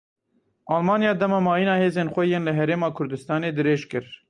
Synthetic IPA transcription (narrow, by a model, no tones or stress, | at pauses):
ʔɑːlmɑːnjɑːd̪ɛmɑːmɑːjinɑːheːzeːnxʷɛjeːnlɨɦɛɾeːmɑːkʰʊɾd̪ɨst̪ɑːneːd̪ɨɾeːʒkɨɾ